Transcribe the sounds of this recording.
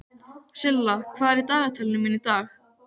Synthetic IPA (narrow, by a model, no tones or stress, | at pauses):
sɪlːakʰv̥aːðɛɾit̪aːɣat̪ʰɛlnɪmɪnit̪aːx